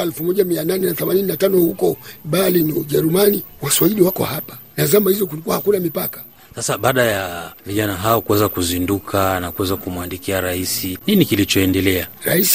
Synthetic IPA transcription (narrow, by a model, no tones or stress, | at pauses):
ɛlfumɔʄamiananɛnaθɛmanininatanɔhukɔɓaliniuʄɛɾumaniwaswaiɗiwakɔ̰hapḁnazamahizɔk̬ulik̬uahakunamipakḁ | sasaɓaːɗajaviʄanaɦaɔkuwɛzakuzindukʰanakuwɛzakumuandikiaɾaisininikilit͡ʃɔɛndɛlɛaɾa̰is